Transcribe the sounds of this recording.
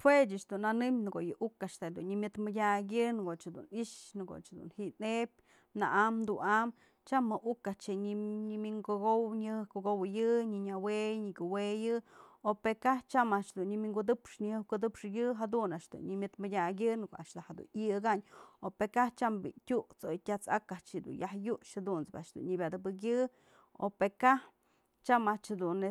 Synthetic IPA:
hwet͡ʃaʔt͡ʃd̪unanɨmnɡojɨʔukaʔʂt̪ad̪unɲimʲjɨt̪mɨdʲaɡʲɨnɡoʔt͡ʃhd̪ṵniʂnɨɡo̰t͡ʃd̪ṵnhiʔnep̚ʲ | na̰ʔamd̪unam | t͡ʃamaʔukat͡ʃeɲiɲimiŋɡoɡowɲɨhɨhkoɡowjɨɲɨɲawejɲikuwejɨopekaht͡ʃamaʔt͡ʃd̪unɲimʲiŋɡud̪ɨpʂɲihɨhkud̪ɨpʂjɨɦad̪unaʔʃd̪ṵnɲimʲɨt̪mɨdʲaɡʲɨnkoa̰ʔt͡ʃd̪ahad̪ṵnɨɡaɲopekaht͡ʃambḭtʲuʔt͡sojtʲat͡sa̰kat͡ʃid̪ṵnjahjuʔʃhad̪unt͡sba̰ʔt͡ʃd̪ṵnɲibʲad̪ɨbɨk̬jɨ | o̰peka | t͡ʃamat͡ʃhad̪une

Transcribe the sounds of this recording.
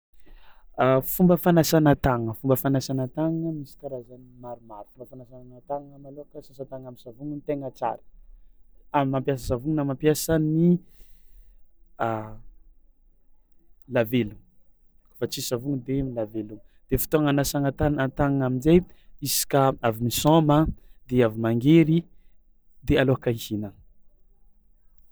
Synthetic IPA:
afumbəfanasanat̪aŋəfumbəfanasanat̪aŋŋəmisi̥kʲaɾazanimaɾumaɾu̥fumbəfanasannat̪aŋŋamalokəsasat̪aŋamisavuŋənit̪eŋət͡sa̰ɾə̥ | amimampjasəsavuŋənamampjasəni | a | lavelu | kfat͡sisavuŋud̪emilaveluŋd̪̥efi̥t̪oaŋanasaŋat̪anat̪aŋŋaminzejisi̥kaavimisɔməd̪eavimaŋɡeɾi | d̪ealoakaihina

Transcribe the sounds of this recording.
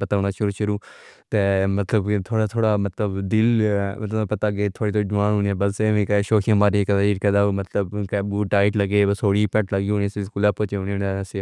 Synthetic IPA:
pət̪aːnaːʃʊɾuːʃʊɾuːt̪eːmət̪ləbt̪ʰoːɽaːt̪ʰoːɽaːmət̪ləbd̪ɪlmət̪lpət̪aːɡeːt̪ʰoːɽiːt̪oːd͡ʒʊʋaːnũːnẽbəseʋĩːkːʃoːkʰãmaːɾikəd̪aːiːɾkəd̪aːmət̪ləbkːbuːʈaːɪʈləɡeːəsʰoːɽiːpɛʈləɡiːonĩsiskuːlaːpoːt͡ʃeʊnːnase

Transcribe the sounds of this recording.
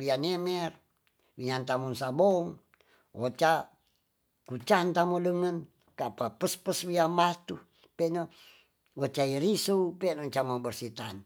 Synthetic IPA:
wianɛmɛr | wiɲant̪amunsaboŋ | ʔot͡ʃa | kut͡ʃant̪amodəŋən | kapapəspəswiamat̪u | pɛno | wot͡ʃaiɾisupɛnot͡ʃamobərsit̪an

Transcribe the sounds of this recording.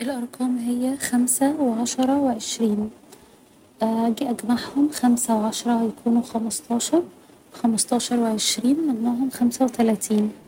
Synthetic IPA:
ʔelʔɑɾˤqʰɑːmɦejːæxæmsæweʕɑʃɑɾˤɑweʕeʃɾiːn | ʔæɡiʔæɡmaʕhomxæmsæweʕɑʃɑɾˤɑjækʰuːnuxæmɑst̪ʰɑːʃɑɾˤ | xæmɑsˤt̪ˤɑːʃɑɾˤweʕeʃɾiːnmænːæːɦomxæmsæwet̪ælæːt̪ʰiːn

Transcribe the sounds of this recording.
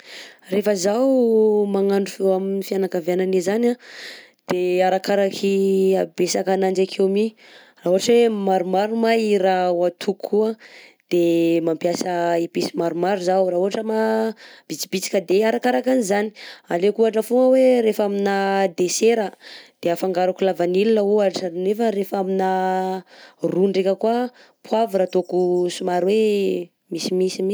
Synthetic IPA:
refəzawmaŋaɳɖ͡ʐufeaminifianakavjananezana | d̪̥eaɾakaɾakʰiabesakanand͡ʒakʰewmi | raɦuaʈ͡ʂwemaɾumaɾumaiɾawat̪ʰukʰːuəd̪̥emampjasəipisi̥maɾumaɾuzawraɦuɦaʈ͡ʂəmab̥it͡si̥bit͡si̥kʲəd̪eaɾakaɾakanizani̥alekuaʈ͡ʂəfuŋəweɾefaminad̪eseɾəd̪̥eafaŋɡaɾakulavanilinəuaʈ͡ʂanefəɾefamina | ruɳɖ͡ʐekʲəkua | pʰwavuɾat̪okusumaɾwe | misimisimi

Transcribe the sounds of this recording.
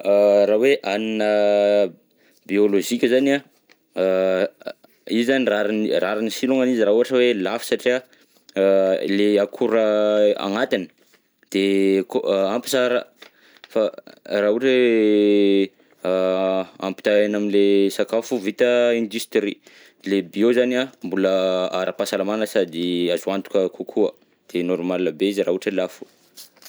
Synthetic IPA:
ɾaweʔaninə | bioloʒikʲəzana | izizaniraɾnraɾinisiluŋaniziɾaɦuaʈ͡ʂəwelafi̥saʈ͡ʂia | leakʰuɾəa̰ŋat̪inə̥ | d̪̥ekoampi̥saɾa | farauʈ͡ʂe | a̰mpi̥t̪aanaminlesakafuvit̪əĩnd̪yst̪eɾi | lebiozaniambuləaɾʔəpasalamanəsad̪iazuant̪u̥kʲəkʰukʰuə̰ | d̪̥enɔɾmalinəbeiziɾauaʈ͡ʂəlafu̥

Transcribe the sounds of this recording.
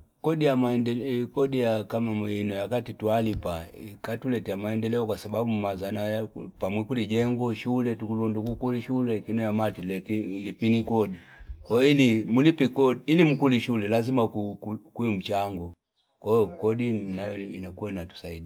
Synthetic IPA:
kɔdijamaɛndɛkɔdijakamaminɔjakatitualipaikatulɛtɛamaɛndɛlɛɔkwasababumazanajapamwikulid͡ʒɛŋɡɔʃulɛtukulɔndukukuliʃulɛkinɔjamatilɛkilipinikɔɗi | kɔilimulipikɔːlimukuliʃulɛlazimakukukuim̩t͡ʃaŋɡɔ | kɔɔkɔdinajɔinakuanatu̥saidi

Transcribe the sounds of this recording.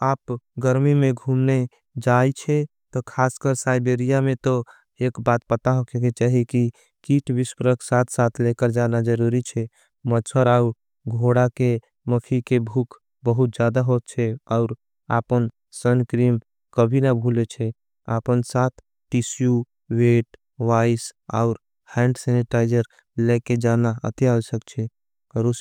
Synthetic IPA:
aːpɡəɾmimẽɡʱumne | d͡ʒajt͡ʃʰɛt̪ɔkʰaːskəɾsaɪbeɾijamẽt̪o | ekbat̪̚pət̪aɦokʰeket͡ʃaːɦiki | kiʈʰbispəɾəksat̪ʰsat̪ʰlekəɾd͡ʒanad͡ʒəɾuɾit͡ʃʰɛ | mət͡ʃʰəɾau | ɡʱoɽake | məpʰikebʱukʰ | bəɦut̪̚d͡ʒjad̪aɦot̪̚t͡ʃʰɛɔʊɾ | a̰pən | sənkɾim | kəbʱinabʱulet͡ʃʰɛ | apənsat̪ʰ | ʈisju | ʋeʈ | ʋaisa̰ʊɾ | hɛ̃ɳɖsɛniʈaɪd͡ʒəɾ | leked͡ʒanaə̰t̪iasəkt͡ʃʰɛ | kəɾus

